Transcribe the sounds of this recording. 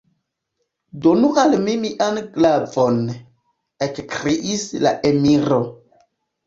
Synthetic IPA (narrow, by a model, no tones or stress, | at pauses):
donuʔalmimiʔanɡlavon | ekkɾeʔisla̰ʔemiɾo